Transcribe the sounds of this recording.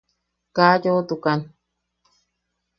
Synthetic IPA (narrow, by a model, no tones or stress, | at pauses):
kajot̪ukan